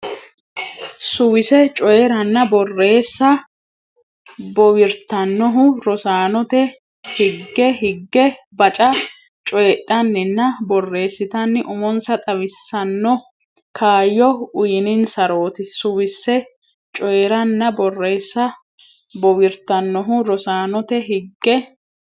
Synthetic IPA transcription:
sʊwɪsɛt͡ʃʼɔjɛɾɐnːɐbɔrːe̞ːsːɐ | bɔwɪɾt̪ɐnːɔɦʊɾɔsaːnɔt̪ɛ | hɪɡːɛɦɪɡːɛ | bɐt͡ʃʼɐ | t͡ʃʼɔɛɗːɐnːɪnːɐbɔrːe̞ːsːɪt̪ɐnːɪʔʊmɔnsɐt̪ʼɐwɪsːɐnːɔ | kʰaːjːɔʊjɪnɪnsɐɾoːt̪ɪsʊwɪsːɛ | t͡ʃʼɔjɛɾɐnːɐbɔrːe̞ːsːɐ | bɔwɪɾt̪ɐnːɔɦʊɾɔsaːnɔt̪ɛɦɪɡːɛ

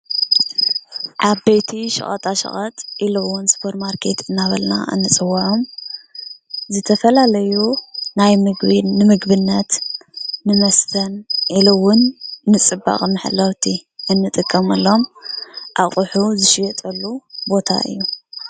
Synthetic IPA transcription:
ʔaβbejt̪ʰiʃɨ̰χʼɐ̰t̪ʼaʃɐ̰χʼɐt̪ʼʔilɐwʊnspʰoɾt̪maɾkʰe̞t̪ɨnːaβɐlna̰ʔɨ̰nːɨt͡sʼɨwːɐʕom | zɨt̪ʰɐfɐlalɐjunajmɨɡnɨmɨɡbɨnːɐt̪nɨmɐst̪ʰɐnʔilowʊnːɨt͡sʼɨba̰χʼmɨħlːɐwt̪ʰiʔɨnːɨt̪ʼɨkʼːɐmɐlːo̞mʔaχʼʊħuzɨʃɪjɐt̪ʼɐlːubo̞t̪ʰa̰ʔɨ̰jːu

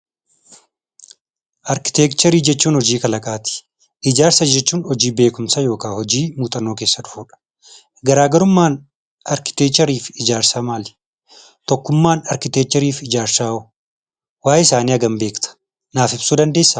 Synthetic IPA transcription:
ʔɐɾkɪ̥t̪eːkt͡ʃ̪ɛɾiːd͡ʒɛt͡ʃːuːnhɔd͡ʒiːkɐlɐkʼaːt̪ɪ̥ | ʔɪd͡ʒaːɾsɐd͡ʒɛt͡ʃːuːnhɔd͡ʒiːbe̞ːkʊmsɐjo̞ːkaːhɔd͡ʒiːmuːt̪ʼɐnːo̞ːke̞ːsːɐᶑʊ̥fuːᶑɐ̥ | ɡɐɾaːɡɐɾʊmːaːn | ɐɾkɪ̥t̪eːk̚t͡ʃɛɾiːfɪd͡ʒaːɾsaːmaːl | t̪ɔkːʊmːaːnɐɾkɪt̪ek̚t͡ʃɛɾiːfɪd͡ʒaːɾsaːɔ | waːjɪsaːniːɐɡɐmbe̞ːkt̪ʰɐ̥ | naːfɪbsuːd̪ɐnd̪e̞ːsːɐ

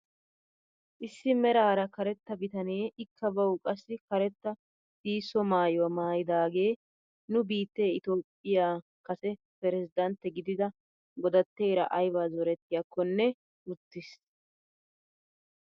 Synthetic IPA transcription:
ʔɪsːɪmɛɾaːɾɐkɐɾɛt̪ːɐbɪt̪ɐneːʔɪkʰːɐbɐwkʼɐsːɪkɐɾɛt̪ːɐ | siːsːɔmaːjɔwɐmaːjɪd̪aːɡe̞ː | nʊbiːt̪ːe̞ːɪt̪o̞ːpʼːɪjaː | kɐsɛ | pɛɾɛzɪd̪ɐnt̪ːɛɡɪd̪ɪd̪ɐ | ɡɔd̪ɐt̪ːeːɾɐʔɐjbaːzɔɾɛt̪ːɪjakʰːɔnːɛ | ʊt̪ːɪs

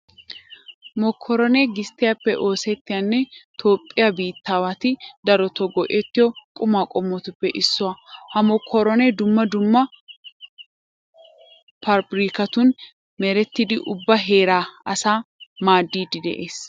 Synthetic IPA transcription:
mɔkʰːɔɾɔnɛɡɪst̪ːɪjapːɛʔo̞ːsɛt̪ːɪjanːɛt̪ʰo̞ːpʼːɪjabiːt̪ːaːwat̪ɪd̪ɐɾɔt̪ɔɡɔʔɛt̪ːɪjɔkʼʊmaːkʼɔmːɔt̪ʊpːɛʔɪsːɔwahɐmɔkʰːɔɾɔnɛd̪ʊmːɐd̪ʊmːɐ | pɐɾbɪɾiːkɐt̪ʊn | mɛɾɛt̪ːɪd̪ɪʔʊbːɐɦeːɾaːɐsaːmaːd̪ːiːd̪ɪd̪ɛ̰ʔeːs

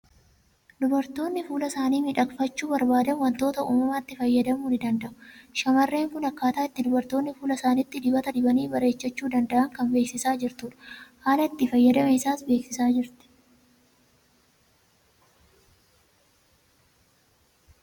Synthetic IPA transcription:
d̪ʊbɐɾt̪o̞ːnːɪfuːlɐsaːniːmɪᶑɐkfɐt͡ʃːuːbɐɾbaːd̪ɐnwɐnt̪o̞ːt̪ɐʔṵːmɐmaːt̪ːɪfɐjːɐd̪ɐmuːnɪd̪ɐnd̪ɐʔʊ̥ʃɐmɐrːe̞ːŋkʊnɐkːaːt̪aːɪt̪ːɪd̪ʊbɐɾt̪o̞ːnːɪfuːlɐsaːnɪt̪ːɪd̪ɪbɐt̪ɐd̪ɪbɐniːbɐɾe̞ːt͡ʃːɐt͡ʃːuːd̪ɐnd̪ɐʔɐŋkɐnbe̞ːksɪsaːd͡ʒɪɾt̪uːᶑɐ̥haːlɐɪt̪ːɪfɐjːɐd̪ɐmɛɪsaːsbeːksɪsaːd͡ʒɪɾt̪ɛ̥

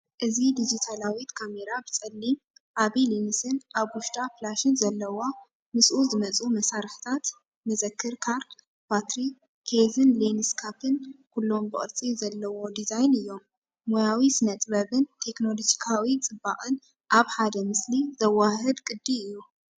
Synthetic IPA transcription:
ʔɨzid̪id͡ʒit̪ʰalawit̪kʰame̞ɾabɨt͡sʼɐlːim | ʔaβilinisɨnʔaβwʊʃt̪ʼaplaʃɨnzɐlːɐwa | mɨsʔuzɨmɐt͡sʼumɐsaɾħɨ̥t̪ʰat̪ | mɐzɐkʰːɨɾkʰaɾ | bat̪ɾi | kʰezɨnlenɨskʰapʰɨnkʰulːo̞mbɨχʼɨɾt͡sʼizɐlːɐwo̞d̪izajnɨjːo̞mː | ojawisɨnɐt̪ʼbɐβɨnt̪ʰe̞kno̞lo̞d͡ʒikʰawit͡sʼɨbːaʔʼɨn | ʔaβħad̪ɐmɨslizɐwaɦɨd̪kʼɨd̪ːiɨjːu

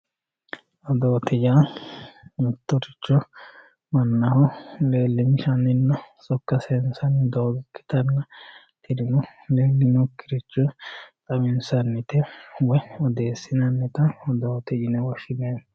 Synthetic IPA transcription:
ɔd̪oːt̪ɪd͡ʒaː | mɪt̪ːɔɾɪt͡ʃːɔ | mɐnːɐhɔleːlːɪmʃɐnːɪnːɐsʼɔkːɐsɛnsɐnd̪oːɡɪkːɪ̥t̪ɐnːɐ | t̪ɪɾɪnɔleːlːɪnɔkːɪɾɪt͡ʃːɔt̪ʼɐmɪnsɐnːɪt̪ɛwɛɔd̪eːsːɪnɐnːɛt̪ɐɔd̪oːt̪ɪd͡ʒɪnɛwɔʃɪneː

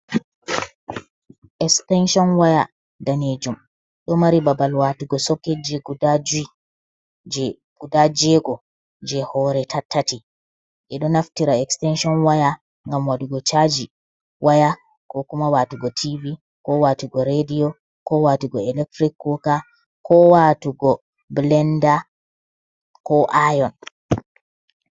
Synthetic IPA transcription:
ʔɛkstɛnʃɔnwaja | daned͡ʒum | ɗɔmaɾibabalwatuɡɔsɔkːed͡ʒiɡudad͡ʒui | d͡ʒɛ | ɡ̥udad͡ʒɛɡɔ | d͡ʒɛhɔɾɛtʰatːati | ʔɛɗɔnaftiɾaɛkstɛnʃɔnwaja | ŋɡamwaɗuɡɔt͡ʃad͡ʒi | wʔaja | kɔkumawaːtuɡɔtʰivi | kɔwatuɡɔɾedijɔ | kɔwatuɡɔɛlɛk̚tɾikːɔka | kʰɔwatuɡɔ | blɛnda | kɔʔajɔn

